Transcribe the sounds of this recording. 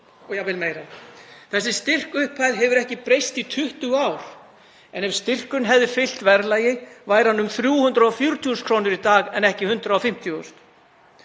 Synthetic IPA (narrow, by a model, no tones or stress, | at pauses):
ɔɣjɛvɪlmejɾaθɛsːɪst̪ɪr̥kʏhpʰajðɦɛvʏɾɛhcɪpɾejst̪it̪ʰʏht̪ʏawɾ̥ | ɛnɛv̥st̪ɪr̥kʏnɦɛvðɪfɪl̥t̪vɛɾlaːjɪvaːjɾanːʏmθɾjuːhʏnt̪ɾaɔfjuɾt̪ʰuuskʰɾoːwnʏɾit̪aːɣɛnɛhcɪhʏnt̪ɾaɔfɪm̥t̪ʰjuʏst̪